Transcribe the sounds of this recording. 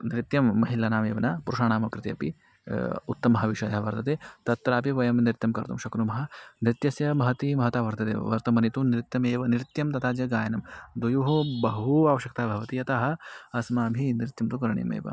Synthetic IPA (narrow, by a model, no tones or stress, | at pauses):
nɾit̪jɐmːɐɦilanaːmḛːʋɐnaːpuɾuʂaːnaːmɐkɾɪt̪eɐpi | ṵt̪ːɐmɐɦɐʋiʃɐjɐɦɐʋɐɾt̪ɐt̪eːt̪ɐt̪ːɾaːpiʋɐjɐmnɾɪt̪jɐmkɐɾt̪umʃɐkɾumɐɦɐnɾɪt̪jɐsjɐmɐɦɐt̪imɐɦɐt̪aːʋɐɾt̪ɐt̪ḛːɐ̰ʋɐɾt̪ɐmɐnit̪unɾit̪jɐmeːʋɐniɾit̪jɐmt̪ɐt̪aːd͡ʒɐɡaːjɐnɐmd̪ujuɦubɐɦuaːʋɐʃjɐkt̪aːbʱɐʋɐt̪ijɐt̪aɦɐ̆ɐsmaːbʱinɾit̪jɐmt̪ukɐɾɐɳḭmḛːʋɐ̰